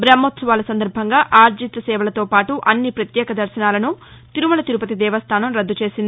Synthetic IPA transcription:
bɾɐmːot̪sɐʋaːlɐsɐnd̪ɐɾbʱɐŋɡaːʔaːɾd͡ʒit̪ɐsɛːʋɐlɐt̪o̞ːpaːʈuʔɐnːipɾɐt̪jɛːkɐd̪ɐɾsɐnaːlɐnu | t̪iɾumɐlɐt̪iɾupɐt̪id̪ɛːʋɐst̪ʰaːnɐmɾɐd̪ːut͡ʃe̞ːsind̪i

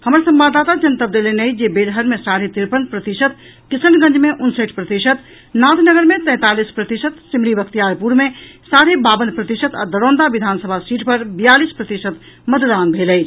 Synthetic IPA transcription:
həmɾsəmbad̪ːat̪ad͡ʒənt̪əb̚d̪elenejd͡ʒebed̪ɦəɾmesaɽ̤et̪iɾpənpɾət̪isət̪ | kisənɡə̃nd͡ʒmeʔunsəʈʰpɾət̪isət̪ | nat̪nəɡəɾmet̪ə̃t̪alispɾət̪isət̪simɾibəkt̪ijaɾpuɾmesaɽebabənpɾət̪isət̪a̰d̪əɾõːnd̪abid̪ʱansəbʱasiʈpəɾbijalispɾət̪isət̪ | məd̪uɾanbʱeləj

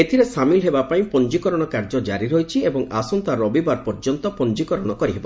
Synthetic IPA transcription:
et̪ʰiɾesamilɦebapaĩpɔnd͡ʒikɔɾɔɽ̃ɔkaɾd͡ʒɔd͡ʒaɾiɾɦojt͡ʃʰiebɔŋasɔnt̪aɾɔbibaɾpɔɾd͡ʒɔnt̪ɔpɔnd͡ʒikɔɾɔɽ̃ɔkɔɾiɦebɔ

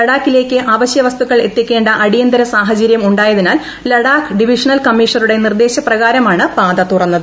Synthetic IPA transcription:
ɐɽaːkːile̞ːkʲːɨʔaːʋɐɕjɐʋɐst̪uɣɐɭe̞t̪ːjikʲːe̞ːɳɖɐʔɐɽijɐnd̪ɐɾɐsaːɦɐt͡ɕɐɾjɐmuɳɖaːjɐðinaːl | lɐɽaːkɖiʋiʂɐnɐlkɐmːiːʂɐɾuɽe̞nird̪e̞ːɕɐprɐɣaːɾɐmaːɳɨpaːd̪ɐt̪urɐnːɐðɨ

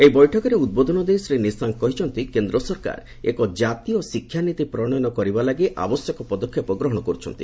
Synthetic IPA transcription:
ejbɔjʈʰɔkɔɾeud̪̚bod̪ʱɔnɔd̪esɾenisaŋkɔɦit͡ʃʰɔnt̪ikend̪ɾɔsɔɾka̰ɾ | ḛkɔd͡ʒat̪iɔsikʰːjanit̪ipɾɔɽ̃ɔjɔnɔkɔɾibalaɡiʔa̰bɔsjɔkɔpɔd̪ɔkʰːjepɔɡɾɔɦɔɽ̃ɔkɔɾut͡ʃʰɔ̰nt̪i

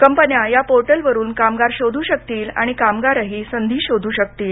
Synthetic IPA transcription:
kəmpənjajapoɾʈəlʋəɾuːnkamɡaɾɕod̪ʱuːɕək̚t̪iːla̰ɽ̃ikamɡaɾaɦisənd̪ʱiːɕod̪ʱuːɕək̚t̪iːl

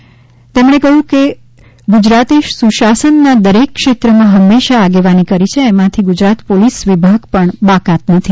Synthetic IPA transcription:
t̪emɳ̃ekəɦjũke | ɡud͡ʒɾat̪iʃsuʃasənːad̪əɾekːʃet̪ɾəmãɦəmːeʃaːɡeʋanikəɾit͡ʃʰeːmãt̪ʰiɡud͡ʒɾat̪polisʋibʱaɡpəɳbakat̪nət̪ʰi

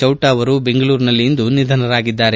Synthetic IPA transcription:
t͡ʃɐwʈaːʋɐɾubeŋɡɐɭuːɾnɐlːijind̪unid̪ʱɐnɐɾaːɡid̪ːaːɾe

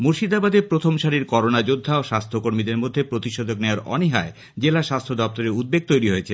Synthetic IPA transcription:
moɾʃid̪abad̪epɾot̪ʰomʃaɾiɾkɔɾonad͡ʑod̪ʱːaoʃast̪ʰokoɾmid̪eɾmod̪ʱːepɾot̪iʃod̪ʱokneaɾɔ̰niɦae | d͡ʑelaʃast̪ʰod̪ɔp̚t̪oɾeɾud̪̚beɡ̚t̪ojɾiɦojet͡ɕʰe

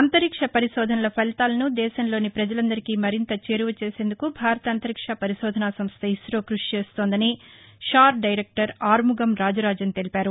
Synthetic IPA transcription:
ɐnt̪ɐɾikʂɐpɐɾiʃɔːd̪ʱɐnɐlɐpʰɐlt̪aːlɐnud̪ɛːʃɐnlo̞ːnipɾɐd͡ʒɐlɐnd̪ɐɾikiːmɐɾint̪ɐt͡ʃe̞ːɾuʋɐt͡ʃe̞ːse̞ːnd̪ukubʱaːɾɐt̪ɐnt̪ɐɾikʂɐpɐɾiʃɔːd̪ʱɐnaːsɐmst̪ʰɐisɾoːkɾuʂt͡ʃe̞ːst̪oːnd̪ɐni | ʃaːɾɖɐjɾek̚ʈɐɾaːɾmuɡɐmɾaːd͡ʒɐɾaːd͡ʒɐnt̪e̞lipaːɾu

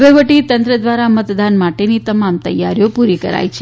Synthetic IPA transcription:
ʋeʋəʈit̪ənt̪ɾəd̪ʋaɾamət̪d̪anmaʈenit̪əmamt̪ə̰jːaɾjopuɾikə̰ɾa̰jt͡ʃʰe

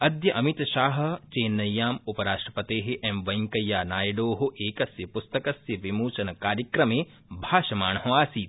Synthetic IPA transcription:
ɐd̪jɐʔɐmit̪ʃaːɦɐ̆t͡ʃeːnːɐjːaːmupɐɾaːʂʈɾɐpɐt̪eːɦeʔemʋɐjŋkɐjːaːnaːjɐɖoːɦoʔeːkɐsjɐpʊst̪ɐkɐsjɐʋimuːt͡ʃɐnɐkaːɾjɐkɾɐmẽː | bʱaːʃɐmaːɳɐɦõaːsiːt̪

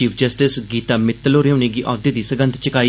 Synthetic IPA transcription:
iːpʰd͡ʒəsʈɪsɡiːt̪aːmɪt̪ːloːɾeuːneːɡiːʔɔːd̪eːd̪iːsəɡə̃nt̪t͡ʃəkaːi

